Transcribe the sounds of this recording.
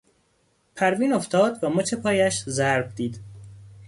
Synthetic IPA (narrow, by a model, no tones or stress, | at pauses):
pʰæɾviːnoft̪ʰɒːd̪væmot͡ʃʰepʰɒːjæʃzæɾbd̪iːd̪̥